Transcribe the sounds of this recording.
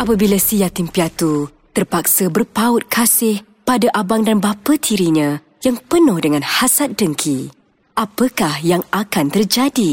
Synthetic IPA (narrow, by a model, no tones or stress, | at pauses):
ʔapabilasijat̪impiat̪u | t̪ərpak̚səbərpaʊt̪̚kʰasɪh | padaʔabaŋdanbapət̪ʰiɾiɲã | jaŋpənʊhdəŋãnhasat̪̚dəŋkʰi | ʔapəkahjaŋakant̪ərd͡ʒadi